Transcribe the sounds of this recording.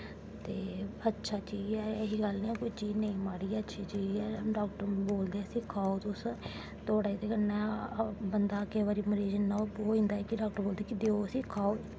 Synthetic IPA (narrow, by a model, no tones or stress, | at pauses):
t̪eːətːʃʰaːt͡ʃiːd͡ʒɛːeɦiːɡəlniːɛːkʊit͡ʃiːd͡ʒnəĩːmaːɽiːɛːətːʃʰiːt͡ʃiːd͡ʒɛːɖaːkʈəɾboːld̪eːəsĩːkʰaːoːt̪ʊs | t̪oːɽaːit̪eːkənɛ̃ːbənd̪aːkeːʋaːɾiːməɾiːd͡ʒnːaːooːĩːnd̪aːɛːkɪɖaːk̚ʈəɾboːld̪eːkɪd̪eoəsĩːkʰaːoː